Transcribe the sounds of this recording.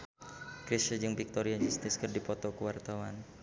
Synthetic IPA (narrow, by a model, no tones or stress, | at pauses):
kɾisad͡ʒɨŋbik̚t̪ɔɾiaɲd͡ʒust̪ɪskərdipɔt̪ɔkəwart̪awan